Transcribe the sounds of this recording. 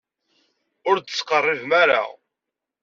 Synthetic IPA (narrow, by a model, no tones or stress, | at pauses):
ʊɾd̪əsqərˤːɪvmæɾa̰